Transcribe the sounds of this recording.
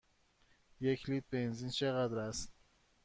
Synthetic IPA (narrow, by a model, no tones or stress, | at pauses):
jekʰliːt̪̚benzint͡ʃʰeɣæd̪ɾæst̪